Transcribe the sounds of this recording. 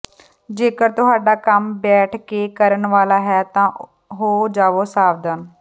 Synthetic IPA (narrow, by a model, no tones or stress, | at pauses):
d͡ʒeːkəɾt̪ʊɦaːɖaːkəmbɛːʈʰkeːkəɾəɳʋaːlaːɦɛːt̪ãː | ɦoːd͡ʒaːʋoːsaːʋd̪ən